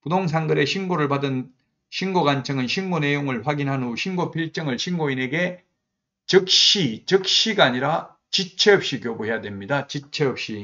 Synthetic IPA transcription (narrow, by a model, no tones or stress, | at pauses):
pudoŋs̬ʰaŋɡɯɾe̞ɕʰinɡoɾɯɭpadɯn | ɕʰinɡoɡant͡ɕʰʌŋɯnɕʰinɡone̞joŋɯɭɸwaɡinɦanuɕʰinɡopʰiɭt͡ɕ͈ʌŋɯɭɕʰinɡoine̞ɡe̞ | t͡ɕɯk̚ɕ͈it͡ɕʌk̚ɕ͈iɡaːɲiɾa | t͡ɕit͡ɕʰe̞ʌp̚ɕ͈ikjobuɦe̞jadwe̞mɲidat͡ɕit͡ɕʰeʌp̚ɕ͈i